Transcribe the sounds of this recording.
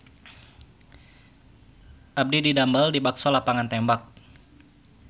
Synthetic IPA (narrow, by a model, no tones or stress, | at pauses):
ʔab̚dididambaldibaksolapaŋant̪ɛmbak̚